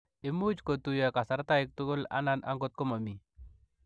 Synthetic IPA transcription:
ɪ˦mu˦d͡ʒko˨t̪ujaka˨sa˨ɾt̪a˦ɪk̚t̪u˦ɡʊ˦la̰˦na˦na̰˦ŋɡʊ˦t̪̚kɔ˦ma˨mi˨

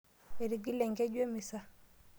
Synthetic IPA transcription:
e˨ɾi˨ɡi˦lɛ˨ŋɡɛ˦ɟwe˦mi˨sa˦

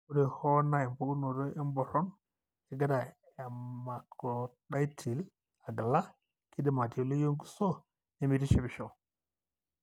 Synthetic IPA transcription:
u˦ɾe˨ho˦na˦e˨m˨po˦ɡu˦no˨ɾo˦ʔe˦m˦bo˨ɾo˦n | e˨ɡa˦da˨ | a˨ma˨kʰo˨ɗa˦tʰi˨l | a˨ɡə˨la˦ | ki˦di˦ma˨ti˨o˨lo˦jo˦ŋɡu˦so˦ | ne˦mi˦ti˦ʃi˦bi˨ʃo˨

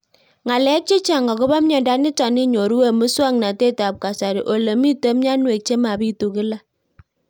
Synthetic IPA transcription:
ŋa˨lɛ˨˦k̚t͡ʃe˦t͡ʃa˨ŋɡɔ˨kʊ˦ba˦m˦ɲɔ˨nda˦nɪ˦ta˨nɪ˦ɲo˨ɾu˦we˦mɨ˦swa˦ŋna˨te˦ta˨p̚ka˨sa˨ɾi˨ʔo˨lə˨mi˦tə˦mɲa˦nwe˨k̚t͡ʃe˦ma˨bi˦tu˨kɪ˦la˦

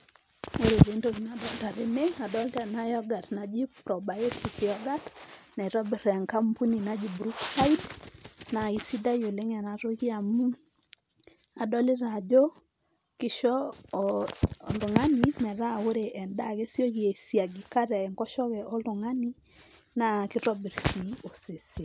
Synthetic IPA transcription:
o˦ɾe˨d͡ʒe˨˦ndo˦ɡi˨na˨dɔ˦lta˨ɾɪ˨me˦a˨dɔ˦ltɛ˨na˦jɔ˦ɡa˨tna˨d͡ʒi˦pɾɔ˨ba˨jo˦tʰi˨kjɔ˦ɡa˦tna˨ɾɔ˦bɛ˨ɾɛ˨ŋka˦mpu˦ni˨na˦d͡ʒi˨bɾu˦ksa˦i˦dna˨i˨si˦da˦jo˨le˦ŋɛ˨na˨ɾo˦ki˦a˨mu˦ | a˨dɔ˦lɪ˦ɾa˨d͡ʒo˦ | kɪ˦ʃɔ˦ | lʊ˨ŋa˦ni˨mɛ˨ɾa˦˨o˦ɾe˨ʔɛ˨nda˦ɡe˦sjo˦ɡi˨e˨sja˨ɡi˨ka˦ɾɛ˨ɛ˨ŋkɔ˦ʃɔ˦kɛ˨ʔɔ˦lʊ˨ŋa˦ni˦ | na˦˨kɪ˦ɾɔ˦bɛ˨ɾsi˨o˨se˨sɪ˨

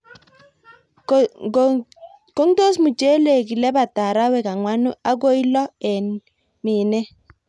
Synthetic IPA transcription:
ko˦ŋto˦smu˨t͡ʃe˦le˨ki˨lɛ˦ba˨ta˨ɾa˦wɛ˨ka˨ŋwa˦nu˦a˦ko˦i˦lɔ˦ɛ˨n | mɪ˨nɛ˦

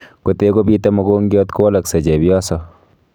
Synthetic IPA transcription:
ko˨te˦ko˦bi˦tɐ˦mo˨ɡo˦ŋɡjɔ˦t̪ko˦lɐ˨kse˨d͡ʒe˨bjɔ˦sɔ˨

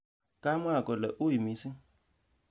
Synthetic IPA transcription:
kʼa˦mwa˦˨kʼɔ˨lɛ˨ʔʊ˦i˨mi˨˦sɪ˦

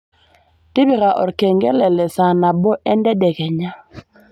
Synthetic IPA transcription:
tɪ˦bi˨ɣa˨ʔɔ̰˨ɾkɛ˨ŋɡɛ˦lɛ˨lɛ˨sa˨na˨bɔ˦ʔɛ˦ndɛ˦dɛ˨kɛ˨ɲa˦

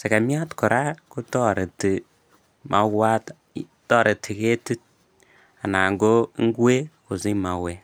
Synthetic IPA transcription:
se˨ka˨mi˦a˦tkɔ˨ɾa˦ku˦tɔ˦˨ɾe˨ti˨ | mʔa˨˦ɡwa˦t | tɔ˦˨ɾe˨ti˨ke˦ti˦t̚ | a˨na˨ŋɡo˦ŋ˦ɡu˦e˦ku˨zi˦ma˨we˦

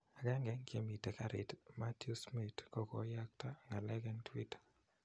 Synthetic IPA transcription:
a˨ɡɛ˦ŋɡɛ˨˦ŋkje˦mi˨te˨ka˨ɾɪ˨tma˦tusmi˨tkɔ˦kɔ̰˨˦ja˦k̚ta˦ŋa˨lɛ˦ɡɛ˦ntwi˦tḁ˨

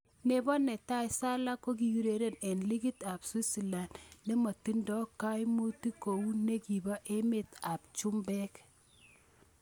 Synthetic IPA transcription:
ne˨bɔ˦nɛ˨ta˦ɪ˨sa˦la˦ko˦k̬i˨wi˦ɾe˨ɾe˦nɛ˨nli˦ki˦ta˨pswi˦si˨la˨nne˦ma˨ti˦ndɔ˦ka˦jmu˦ti˦ko˨u˦ne˦ki˨ba˦ʔe˦me˦ta˨p̚t͡ʃu˦mbɛ˦k

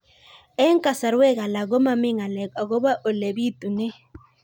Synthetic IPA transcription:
ɛ˦ŋ˦ka˨sa˨ɾwɛ˦ɣa˨la˨ɣo˦ma˦˨mɪ˦ŋa˨lɛ˨ka˨ɣo˦ba˦ʔo˨le˨bi˦t̪u˨nɛ˦

